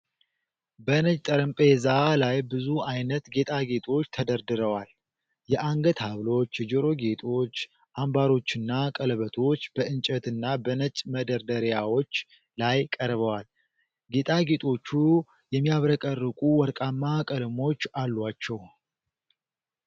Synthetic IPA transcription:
bənət͡ʃʼt̪ʼəɾɨmpʼezalajbɨzuʔajnət̪ɡe̞t̪ʼaɡe̞t̪ʰʼo̞t͡ʃːt̪ʰəd̪əɾd̪ɨɾəwal | jɛʔaŋɡət̪haβlo̞t͡ʃːd͡ʒəɾo̞ɡe̞t̪ʰʼo̞t͡ʃː | ʔambaɾo̞t͡ʃːɨnːakʼələβət̪ʰo̞t͡ʃːb̥əɨnt͡ʃʼət̪ɨnːabənət͡ʃʼməd̪əɾd̪əɾjawo̞t͡ʃː | lajkʼəɾβəwal | ɡe̞t̪ʼaɡe̞t̪ʰʼo̞t͡ʃːu | jɛmːijaβɾəkʼərːɨkʼuwɔɾkʼamːakʼəlmo̞t͡ʃːalːwat͡ʃːɛw

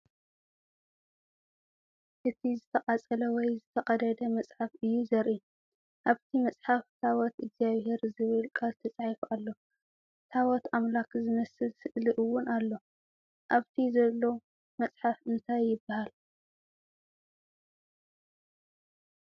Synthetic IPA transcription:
ʔɨt̪ʰizɨt̪ʰɐqʼat͡sʼɐlɐwɔjzɨt̪ʰɐqʼɐd̪ɐd̪ɐmɐt͡sʼħafɨjːuzɐɾʔin | ʔaβt̪ʰimɐt͡sʼħaft̪ʰawɔt̪ɨɡzjaβhe̞ɾzɨβɨlkʼʰalt̪ʰɐt͡sʼaʕfʔalːo̞ | t̪ʰawɔt̪amlakzɨmɐsɨlsɨʔliʔɨwːʊnalːo̞ | ʔaβt̪ʰizɐlːo̞ | mɐt͡sʼħafɨnt̪ʰajːɪbːahal

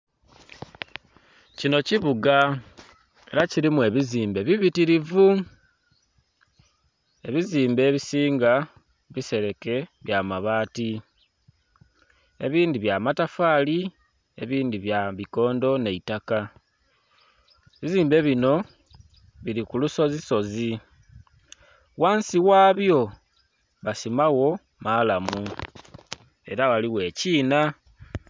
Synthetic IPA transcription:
cino̞ciβuɡa | e̞̰ɾaciɾimue̞βiziːmbe̞βiβitiɾivu | e̞βiziːmbe̞ːβisiːŋɡa | βise̞ɾe̞ke̞βjamaβaːti | e̞̰βiːndiβjamatafaːli | e̞̰βiːndiβjaβiko̞ːndo̞ne̞itaka | βiziːmbe̞βino̞ | βiɾikuluso̞ziso̞zi | waːnsiwaːβjo̞ | βasimawo̞ | malamu | e̞̰ɾaɣaliwe̞ːciːna

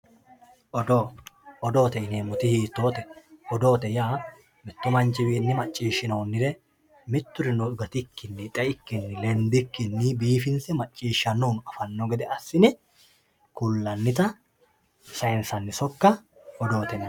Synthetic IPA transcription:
ʔɔd̪oɔd̪o̞ːt̪ɛɪneːmʊt̪ɪhiːt̪ːoːt̪ɛɔd̪o̞ːt̪ɛjaː | mɪt̪ːʊmɐnt͡ʃɪwiːnːɪmɐt͡ʃʼːiːʃɪno̞ːnːɪɾɛ | mɪt̪ːʊɾɪnɔʊɡɐt̪ɪkːɪnːɪt̪ʼɛɪkːɪnːɪlɛnd̪ɪkːɪnːɪbiːfɪnsɛmɐt͡ʃʼːiːʃːɐnːoːnɐfɐnːoɡɛd̪ɛʔɐsːɪnɛ | kʊlːɐnːɪt̪ɐ | sɐjɛnsɐnːɪsɔkːɐ | ɔd̪o̞ːt̪ɛn

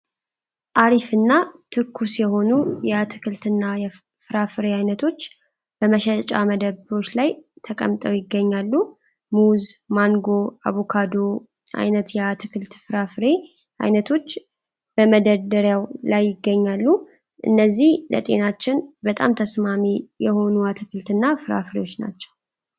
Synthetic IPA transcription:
ʔaɾifɨnːat̪ʰɨkʰːusjɛho̞nujɛat̪ʰɨ̥kʰɨlt̪ɨnːajɛ | fɨɾafɨɾeajnət̪ʰo̞t͡ʃː | b̥əməʃɛt͡ʃʼa̰məd̪əβɨɾo̞t͡ʃːlajt̪ʰəkʼə̰mt̪ʼəwjɪɡːəɲːalːu | muzmaŋɡo̞a̰βukʰad̪o̞ | ʔa̰jnət̪jɛat̪ʰɨkʰɨlt̪fɨɾafɨɾe̞ | ʔa̰jnət̪ʰo̞t͡ʃː | b̥əməd̪əd̪əɾjawlajːɪɡːəɲːalːu | ʔɨ̰nːəzːihlə̰t̪ʼe̞̰nat͡ʃːɪnbət̪ʼa̰mt̪ʰəsmamijɛho̞nuat̪ʰɨkʰɨlt̪ɨnːafɨɾa̰fɾḛwo̞t͡ʃːna̰t͡ʃːɛ̥w

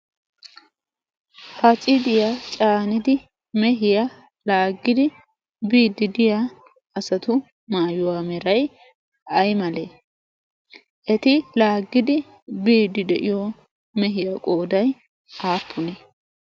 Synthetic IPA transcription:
hɐt͡sʼɪd̪ɪjat͡ʃʼaːnɪd̪ɪ | mɛɦɪja | laːɡːɪd̪ɪ | biːd̪ːɪd̪ɪjaː | sɐt̪ʊ | maːjʊwaːmɛɾɐj | ɐjmɐleː | ʔɛt̪ɪlaːɡːɪd̪ɪ | biːd̪ːɪd̪ɛʔɪjɔ | mɛɦɪjɐkʼo̞ːd̪ɐj | aːpʰːʊneː

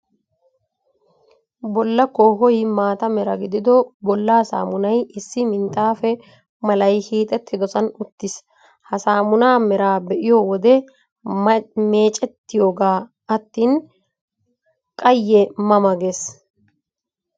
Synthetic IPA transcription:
bɔlːɐkːɔɦɔjmaːt̪ɐmɛɾɐɡɪd̪ɪd̪ɔbɔlːaːsa̰ːmʊnɐjɪsːɪmɪnt̪ʼaːfɛ | mɐlɐjhiːt̪ʼɛt̪ːɪd̪ɔsɐnʊt̪ːɪs | hɐsaːmʊnaːmɛɾaːbɛʔɪjowɔd̪ɛ | me̞ːt͡ʃʼɛt̪ːɪjoːɡaː | ɐt̪ːiːn | kʼɐjːɛmɐmɐɡeːs

